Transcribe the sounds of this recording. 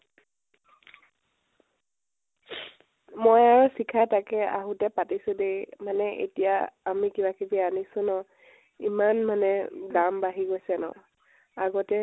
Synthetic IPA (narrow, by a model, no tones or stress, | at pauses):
mojaɹɔsikʰatakɛa̰ɦutɛpatisʊ̃demanɛʔḛtijaːmikibakibianisʊ̃nɔ | imanmanɛɡambaɦiɡojsɛnɔ̰ | aɡɔtɛ